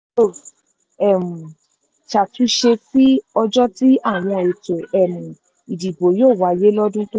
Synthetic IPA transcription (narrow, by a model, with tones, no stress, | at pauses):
o˦˨ | ɛ˦˨m̩̃˨ | t͡ʃa˨tu˨˦ʃe˧k͡pi˦ɔ˧d͡ʒɔ˦ti˦a˦˨w̃ɔ̃˧e˨to˨ɛ˦˨mũ˨ | i˨di˨bo˨joː˦˨wa˨˦˨je˦lɔ˦dũ˦to˦